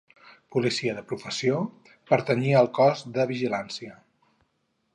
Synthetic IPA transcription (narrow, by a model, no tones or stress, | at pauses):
pulisiəðəpɾufəsio | pəɾt̪əniəːlˠkɔzðəβiʒilansiə